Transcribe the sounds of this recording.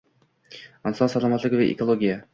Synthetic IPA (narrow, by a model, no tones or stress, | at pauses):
ansɒnsalˠɒmat̪lɪɡʲɪvɪʔḛkʰolˠoɡʲija